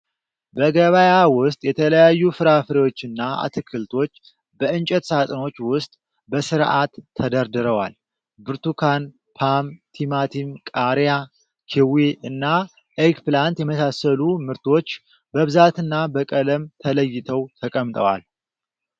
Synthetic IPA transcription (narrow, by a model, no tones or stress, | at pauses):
bəɡəβajawʊst̪ʼjɛt̪ʰələjajːufɨɾafɨɾewo̞t͡ʃːɨnːaa̰t̪ʰɨkʰːɨlt̪ʰo̞t͡ʃː | bəɨnt͡ʃʼɛt̪sat̪ʼno̞t͡ʃːwʊst̪ʼ | bəsɨɾʔat̪ʰːəd̪əɾd̪ɨɾəwa̰l | bɨɾt̪ʰukʰan | pʰamt̪ʰimat̪ʰimkʼaɾja | kʰiweɨnːa | ʔekplant̪jɛməsasəlumɨɾt̪ʰo̞t͡ʃː | bəβɨzat̪ɨnːabəkʼələmt̪ʰələjːɪt̪ʰəwt̪ʰəkʼəmt̪ʼəwa̰l